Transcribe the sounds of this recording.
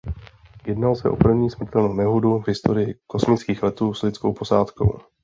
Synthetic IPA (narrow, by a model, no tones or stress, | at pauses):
jɛdnalsɛ̰ʔo̞̰pr̩vɲiːsmr̩t̪ɛlnownɛɦoduvɦɪst̪o̞ɾɪjɪko̞smɪt͡skiːxlɛt̪uːslɪt͡sko̞wpo̞saːt̪ko̞̰w